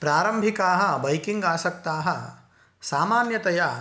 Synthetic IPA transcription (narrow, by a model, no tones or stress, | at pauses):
pɾaːɾɐmbʱikaːɦɐ̆bɐjkiŋɡaːsɐk̚t̪aːɦɐ | saːmaːnjɐt̪ɐja